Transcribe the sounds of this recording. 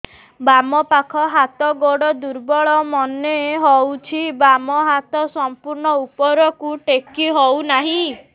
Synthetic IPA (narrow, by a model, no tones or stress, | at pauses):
bamɔpakʰɔɦat̪ɔɡoɽɔd̪uɾbɔɭɔmɔneɦɔwt͡ʃʰibamɔɦat̪ɔsɔmpuɾɳɔupɔɾɔkuʈekiɦɔwnaɦĩ